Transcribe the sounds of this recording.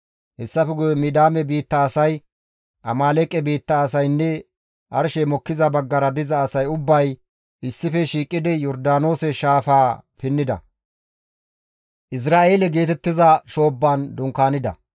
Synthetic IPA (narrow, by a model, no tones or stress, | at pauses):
hɛsːɐfɛɡʊjmɪd̪aːmɛbiːt̪ːɐːsɐj | ʔɐmaːlɛkʼːɛbiːt̪ːɐːsɐjnːɛ | ʔɐɾʃɛmɔkːɪzɐbɐɡːɐɾɐd̪ɪzɐːsɐjʊbːɐj | ʔɪsːɪfɛʃiːkʼːɪd̪ɛjɔɾd̪aːno̞ːsɛʃaːfaːpɪnːɪd̪ɐ̰ | ʔɪs̬ɾaːʔe̞ːlɛɡe̞ːt̪ɛt̪ːɪzɐʃo̞ːbːaːnd̪ʊŋkaːnɪd̪ɐ̰